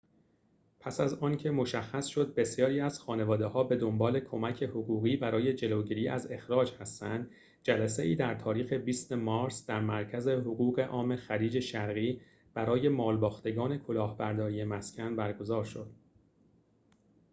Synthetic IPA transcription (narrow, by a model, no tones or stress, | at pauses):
pʰæsæzɒːncʰe̞mo̞ʃæxːæsʃo̞d̪̚be̞sjɒːɾiːæz̥xɒːne̞vɒːd̪e̞hɒːbe̞d̪o̞mbɒːle̞kʰomæcʰe̞hoɣuːɣiːbæɾɒːje̞d͡ʒe̞loɟiːɾiːʔæ̰ze̞xɾɒːd͡ʒhæst̪ænd̪ | d͡ʒælæse̞iːd̪æɾt̪ʰɒːɾiːxe̞biːst̪emɒːɾsd̪æɾmæɾcʰæze̞ɦoɣuːɣe̞ʔɒːme̞xæɾiːd͡ʒe̞ʃæɾɣiː | b̥æɾɒːje̞mɒːlbɒːxt̪e̞ɡɒːne̞kʰo̞lɒːhbæɾd̪ɒːɾiːje̞mæscʰʲænbæɾɡo̞zɒːɾʃo̞d̪̥